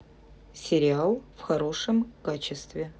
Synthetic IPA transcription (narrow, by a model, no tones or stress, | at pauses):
sʲɪɾʲɪalˠfxɐɾo̞ʂəmkat͡ɕɪst̪vʲɪ